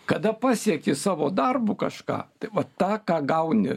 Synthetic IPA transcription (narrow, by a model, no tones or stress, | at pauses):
kɐd̪ɐpɑːsʲiɛkʲɪsɑːʋoːd̪ɐrbukɐʃkɑ̰ːt̪ɐɪʋɐt̪ɑːkɑːɡɐʊnʲɪ̰